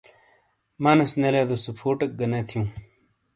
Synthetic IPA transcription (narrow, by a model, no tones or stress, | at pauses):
maːnɐsneleːd̪osɐpʰoːʈɐk̚ɡɐnet̪ʰijũː